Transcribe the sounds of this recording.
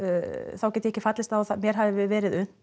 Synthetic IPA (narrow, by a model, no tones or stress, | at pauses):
θawcɛːt̪jɪɛcːɪfat̪lɪst̪aθamjɛɾ̥ɦavɪɪvɛːɾɪðʏn